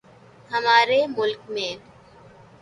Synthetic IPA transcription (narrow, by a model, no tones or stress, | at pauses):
ɦɐmaːɾemʊlkmẽː